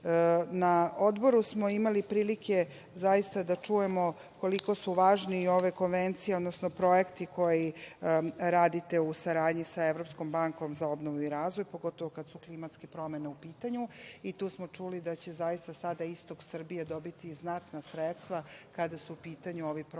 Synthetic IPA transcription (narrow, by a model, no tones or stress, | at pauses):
nao̞d̪bo̞ɾusmo̞imalipɾiːlikʰe | zajist̪ad̪at͡ʂuje̞mo̞ | ko̞liko̞suʋaːʒniːo̞ʋe̞ko̞nʋent̪sijeo̞d̪nosnopɾo̞jekt̪ikʰo̞ji | ɾaːd̪it̪e̞usaɾaːd̪ɲisaeʋɾo̞psko̞mbaŋko̞mzaobnoʋuiɾaːzʋo̞jpo̞ɡo̞t̪o̞ʋokad̪suklimat̪skepɾo̞me̞neupiːt̪aɲuit̪uːsmot͡ʂulid̪at͡ɕe̞zajist̪asad̪aist̪o̞ksr̩bijed̪o̞bit̪iznat̪nasɾet̪st̪ʋakad̪asuupiːt̪aɲuoʋip